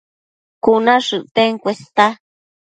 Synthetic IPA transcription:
kunãʂɨʔt̪eŋkʷest̪a

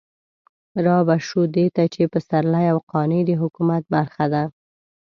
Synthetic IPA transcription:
ɾɑbaʃud̪et̪at͡ʃepəsaɾlajawqɑned̪əɦʊkumat̪̚baɾxad̪a

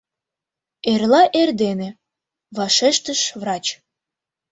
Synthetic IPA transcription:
erlɑʔerd̪enĕ | βɑʃeʃt̪əʃvrɑt͡ɕ

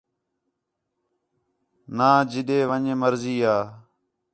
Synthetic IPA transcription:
nãːd͡ʒɪɗeːʋəɲeːməɾziːaː

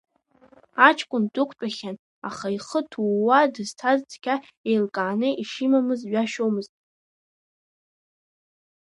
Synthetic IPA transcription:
at͡ʃʰkʷʼʊndʷʼʊkʷʰʼpʼaχʲan | a̰χaiχətʰuwadɨz̥tʰazt͡sʰʼkʲʰa | ejlkʼaːnɨʔiʃimamɨzɥaʃomɨztʼ

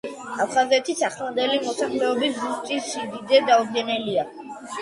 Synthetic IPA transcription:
apʰχazɛt̪ʰisaχlˠand̪ɛlimɔsaχlɛɔbiszust̪ʼiʃid̪id̪zɛd̪audɡɛnɛlia

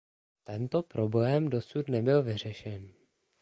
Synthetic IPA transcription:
t̪ɛnt̪o̞pɾo̞blɛːmdo̞sut̪nɛbɪlvɪr̝ɛʃɛn

